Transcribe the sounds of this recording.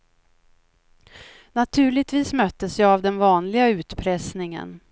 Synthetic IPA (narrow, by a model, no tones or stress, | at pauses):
nat̪ʰʉ̟ːɭɪt̪viːsmœt̪ːəsjɑːvd̪ɛnvɑːnlɪɡaʉ̟ːt̪pʰɾɛsnɪŋə̰n